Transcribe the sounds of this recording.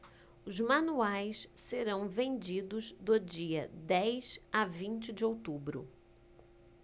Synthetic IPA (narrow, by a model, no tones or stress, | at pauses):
ʊzmɐ̃nuajsseɾɐ̃w̃vẽnd͡ʒid̪ʊzd̪ʊd͡ʒiɐd̪ɛjsavĩnt͡ʃɪd͡ʒɪowt̪ubɾʊ̰